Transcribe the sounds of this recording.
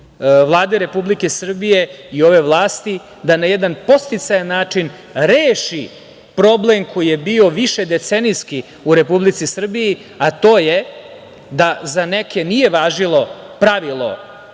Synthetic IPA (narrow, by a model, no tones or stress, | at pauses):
ʋlˠaːd̪eɾe̞publike̞sr̩bije̞io̞ʋe̞ʋlˠaːst̪i | d̪anajed̪anpo̞st̪it̪sajanːaːt͡ʂin | ɾeːʃi | pɾo̞ble̞mkʰo̞jijebioʋiʃed̪et̪seniski | uɾe̞publit̪sisr̩biji | at̪o̞ːje | d̪azaneke̞nije̞ʋaːʒilˠo̞ | pɾaʋilˠo̰